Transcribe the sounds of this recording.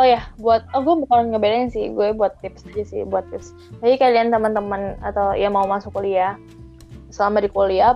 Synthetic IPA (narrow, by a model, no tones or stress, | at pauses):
ɔjabuat̪̚ɔɡuambəkalanɡabeɾɛŋŋsɪhɡuɛbuat̪ːɪpsad͡ʒasɪ̰hbuat̪ːɪps | bad͡ʒikaliant̪əmənt̪əməna̰t̪awjamaumasʊk̚olia | səlamadikolia